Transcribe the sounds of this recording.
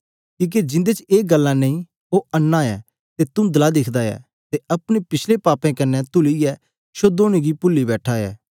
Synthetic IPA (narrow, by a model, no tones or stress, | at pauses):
kĩːk̬ed͡ʒɪ̃nd̪et͡ʃeːɡɐlːãnɐ̃ĩ | oɐnːãːɛ | t̪et̪ʊmd̪ɐlad̪ɪkʰd̪aɛ̰ː | t̪eɐpɽ̃epɪt͡ʃʰlepaːpɛ̃kɐnːɛt̪ʊlijɛ | ʃod̪oːɽ̃iɡipʊlːibɛːʈʰaɛ̰ː